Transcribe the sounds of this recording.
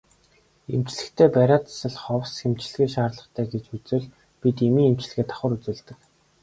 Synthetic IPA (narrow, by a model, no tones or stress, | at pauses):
em̥t͡ɕɮɘ̆kt̪ʰeːpæɾʲaːt͡s̪ḁsə̆ɮχɔwsxem̥t͡ɕ̆ɮ̆ɣeːʃaːrɮə̆χt̪ʰæːɡet͡ɕut͡sɘ̆ɮ | pit̪emiːŋem̥t͡ɕɮ̆ɣeːt̪ʰḁχə̆ɾut͡sɘ̆ːɮt̪ɘ̆k